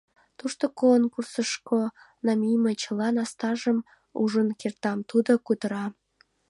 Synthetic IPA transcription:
t̪uʃt̪okonkursəʃko | nɑmʲijmet͡ɕəlɑnɑst̪ɑʒəm | ṵʒənkert̪ɑmt̪ud̪okud̪əɾɑ

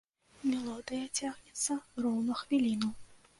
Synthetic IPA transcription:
mʲɛlˠɔd̪ɨjɐt͡sʲaɣnʲɛt̪sːɐrɔwnɐxvʲilʲinɐ

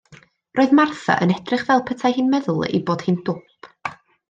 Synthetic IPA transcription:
roːɨðmarθa̰ʔə̰nɛd̥rɪχvɛlˠpʰətʰajhɪnmɛðʊlˠḭboːd̥hɪnd̥ʊp

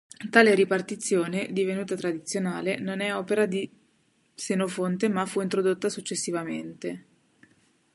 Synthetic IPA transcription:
t̪aːleɾipart̪it̪sːjoːned̪ivenuːt̪at̪ɾad̪it̪sjonaːlenonɛɔːpeɾad̪i | senofont̪emafuint̪ɾod̪ot̪ːasut͡ʃːesːivament̪e

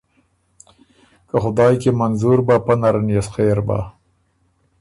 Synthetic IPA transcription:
kaxʊd̪ɑːjkemanzuɾbapanaɾanjasxeɾba̰

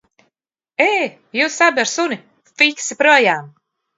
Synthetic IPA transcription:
eː | jusabaɾsuni | fiksipɾuɔjaːm

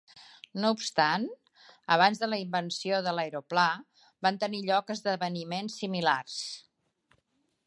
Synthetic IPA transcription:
noupst̪an | əβ̞anzðələimbənsioðələjɾopla | bant̪əniʎɔkəzðəβənimensːimilars

